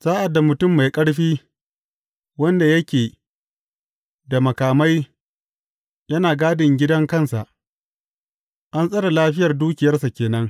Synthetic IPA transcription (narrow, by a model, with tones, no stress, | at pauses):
saː˦ʔa˨dːa˨mʊ˨tʊ˦˨mːa˨jkʼɐ˦ɽɸiː˦ | wɐ˦nda˨jɐ˦kʲeː˨ | da˨mɐ˨kaː˨ma˦j | jɐ˦naː˨ɡaː˦dɪ˨ŋɡʲɪ˦dɐ˦ŋkɐ˦˨nsa˨ʔ | ʔa˦nsʼɐ˦ɽa˨laː˦ɸɪ˦jɐ˨rduː˦kʲɪ˨jɐ˦rsa˨kʲeː˨nɐ˦ŋ